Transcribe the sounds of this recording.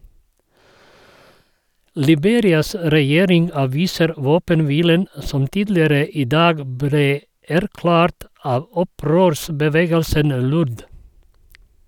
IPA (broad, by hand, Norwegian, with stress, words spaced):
lɪˈbeːɾɪɑs ɾɛˈjeːɾɪŋ ɑːˈʋiːsəɾ ˈʋoːpənˌʋiːlən ə ˈsɔm ˈtiːdlɪəɾə ˈiː ˈdɑːɡ ˈbɾeː ˈæɾˌklæːɾt ˈɑʋ ˈɔˌpɾøːɾsbəˌʋeːɡəlsən ˈlʊɾð